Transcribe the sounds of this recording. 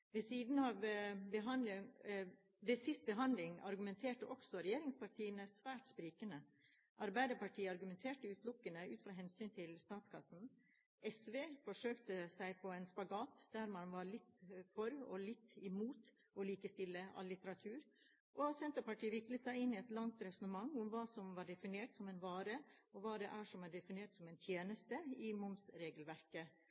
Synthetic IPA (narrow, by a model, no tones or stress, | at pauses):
ʋɛsiːd̪n̩ɑʋbəɦɑnd̪lɪŋ | d̪ɛsɪst̪̚bəɦɑnd̪lɪŋɑ̰ɾɡʉmɛnt̪ʰeːʈəʔɔksɔɾɛjeːɾɪŋspʰɑʈʰiːənəsʋæːʈspɾiːkənə | ʔɑɾbæɪd̪əpɑʈʰiːəɑɾɡʉmɛnt̪ʰeːʈəʉːt̪lʊkːənəʉːt̪fɾɑːɦɛnsyːnt̪ʰɪlst̪ɑːt̪skʰɑsn̩ | ɛsʋeːfɔʂøːkt̪əsæɪpʰɔæɪnspɑɡɑːt̪d̪̥æɾmɑnʋɑɾɭɪt̪ːfɔɾɔ̰lɪt̪ːɪmuːt̪ | ɔliːkəst̪ɪlːəɑ̰lːɪt̪əɾɑt̪ʰʉːɾ | ʔɔsɛnt̪əɾpɑʈʰiːʋɪklət̪sæɪɪnːɪɛt̪lɑŋt̪ɾɛsɔnəmɑŋːʊmʋɑːsɔmʋɑːɖɛfɪneːʈsɔmɛnʋɑːɾəɔʋɑːd̪ɛʔæʂɔmæːɖɛfɪneːʈsɔmɛɪnt̪ʰjeːnəst̪əɪmʊmsɾeːɡəlʋæɾkə